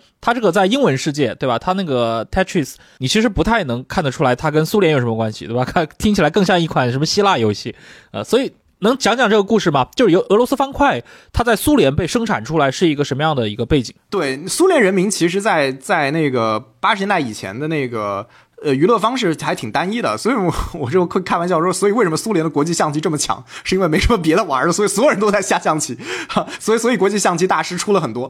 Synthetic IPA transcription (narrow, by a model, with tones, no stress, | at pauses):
t̪ʰa˥ʈ͡ʂɤ˥˩ə˩t͡sa˥˩ɪi˥ŋwə˧˥nʂɻ̩˥˧t͡ɕjɛ˥˩t̪we˥˩bɐ˨˩t̪ʰa˥na˥˩ɡə˩t̪ʰɛ˥ʈ͡ʂʰɹi˥˩s | ni˨˩t͡ɕʰi˧˥ʂ̬ɻ̩˧˥pu˧˥t̪ʰa˥˩ɪnɤ˧˥ŋkʰa˥˩nd̪ə˩ʈ͡ʂʰu˥la˧˥ɪt̪ʰa˥kə˥nsu˥ljjʂmə˧kwa˥nɕi̥̰˨t̪we˥˩ba˩kʰa˥˩t̪ʰi˥ŋt͡ɕʰi˨˩la˧˥ɪkɤ˥˧ŋɕjɑ˥˧ŋi˥˩kʰwa˨˩˦nʂə˧˥mə˧ɕi˥la˥˩jo˧˥˩ɕi˥˩ | ə̰˧˩swɔ˧˥i˨˩ | nɤ˧˥ŋt͡ɕʰjɑ˧˥ŋt͡ɕjɑ˨˩ŋʈ͡ʂɤ˥˩ɡə˩ku˥˧ʂɻ̩˥˩mɐ˩t͡ɕjʂɻo˧˥ʔɤ˧˥lwɔ˧˥sɹ̩˥fɑ˥ŋkʰwa˥˩ɪt̪ʰa˥t͡sa˥˩ɪsu˥ljɛ˧˥npe˥˩ɪʂɤ˥ŋʈ͡ʂʰa̰˨˩nʈ͡ʂʰu˥la˧˥ɪʂɻ̩˥˩i˧˥ɡə˧ʂə˧˥mə˧jɑ˥˩ŋd̪ə˩i˧˥ɡə˧pe˥˩ɪt͡ɕi˨˩˦ŋt̪we˥˩ɪsu˥ljɛ˧˥nɻə˧˥nmi˧˥ŋt͡ɕʰi˧˥ʂɻ̩˧˥t͡sa˥˧ɪt͡sa˥˧ɪne˥˩ɪɡə˩pa˥ʂɻ̩˧˥nɛ˥nt̪a˥˩i˨˩t͡ɕʰjɛ̰˧˥nd̪ə˧ne˥˩ɪɡə˩ | ə˧y˧˥lɤ˥˩fɑ˥ŋʂɻ̩˥˩xa˧˥ɪt̪ʰi˨˩ŋt̪a˥ni˥d̪ə̰˨swɔ˧˥i˧˥ɔ˨˩wɔ˨˩t͡ɕo˥˧ʊxwɪkʰa˥˩nwnt͡ɕjɑ˥˩˥ʂɔ˥swɔ˧˥i˨˩we˥˩ɪʂə˧˥mə˧su˥ljɛ˧˥nd̪ə˧kwɔ˧˥t͡ɕi˥˧ɕjɑ˥˧ŋt͡ɕʰi˥˧ʈ͡ʂɤ˥˩mə˩t͡ɕʰjɑ̰˧˥˦ŋʂɻ̩˥˩i˥nwe˥˩ɪe˧˥ɪʂə˧˥mə˧p̬jɛ˧˥d̪ə˧˨wa̰˧˥ə˞˧˥˩ə˧swɔ˧˥˨swɔ˧˥˨ɻə˧˥nt̪o˥ʊ˥t͡sa˥˧ɪɕja˥˧ɕjɑ˥˩ŋt͡ɕʰi˥˩˦swɔ˧˥i˨˩swɔ˧˥i˨˩kwɔ˧˥t͡ɕi˥˧ɕjɑ˥˩ŋt͡ɕʰi˥t̪a˥˩ʂɻ̩˥ʈ͡ʂʰu˥lə˨˩xə˨˩nt̪wɔ˥